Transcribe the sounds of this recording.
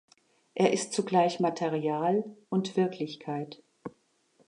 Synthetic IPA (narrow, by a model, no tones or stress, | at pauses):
ʔeːɐʔɪstt͡suɡlaɪçmatʰeʁiaːlʔʊntv̥ɪɐkʰlɪçkʰaɪt